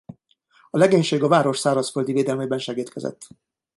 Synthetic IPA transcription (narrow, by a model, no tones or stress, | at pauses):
ɒlɛɡeːɲʃeːɡɒvaːɾo̞ʃsaːɾɒsføld̪iveːd̪ɛlmebɛnʃɛɡiːt̪kʰɛzɛ̰t̪ː